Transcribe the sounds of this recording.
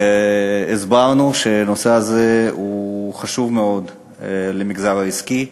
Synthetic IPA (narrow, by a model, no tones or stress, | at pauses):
izbaʁnuʃe̞no̞se̞aze̞uχaʃuvme̞o̞d̪ | lemiɡzaʁaiski